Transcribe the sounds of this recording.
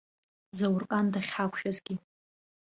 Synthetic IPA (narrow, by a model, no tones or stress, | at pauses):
zawʊrkʼandaχʲħakʷʰʃᶣazɡʲi